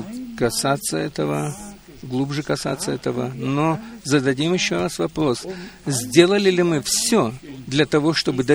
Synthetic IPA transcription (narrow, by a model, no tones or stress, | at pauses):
kɐsat̪sːəɛt̪əvə | ɡlˠubʐɨkɐsa̰t̪sːəɛt̪əvənozəd̪ɐdʲimjɪɕːoɾasvɐpɾo̞szʲdʲe̞lˠəlʲɪlʲɪmɨfsʲod̪lʲɐt̪ɐvo̞ʂt̪o̞bɨd̪ɐ